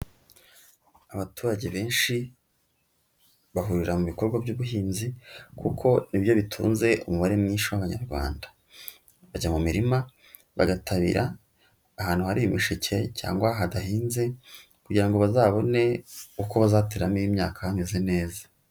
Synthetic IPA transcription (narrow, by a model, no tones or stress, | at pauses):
aβatuːɾaɟe̞βe̞ːnʃi | βaɦuɾiɾamuβiko̞ɾɡwabɟuːβuhiːnzikʰukʰo̞nibjo̞βitʰṵːnze̞ʔṵmuβaɾe̞mɲiːnʃawaβaɲaɾɡwa̰ːnda | βaɟamumiɾima | βaɡatʰaβḭɾʔaː | haːn̥huhaɾiimiʃicʰe̞cʰa̰ːŋɡwaɦadahiːnze̞ | kuɟiɾaŋɡo̞βazaːβo̞ne̞uko̞βazaːteɾamiiːmɲa̰ːkahamezene̞ːzḁ